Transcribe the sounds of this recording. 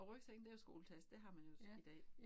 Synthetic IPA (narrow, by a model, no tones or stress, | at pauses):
ɒ̽ʁœɡ̥seɡ̥nd̥eɐjo̝sɡ̥o̝̰ːl̩t͡sʰæsd̥e̝ɦɑ̈mænjo̝id̥ɛ̰ː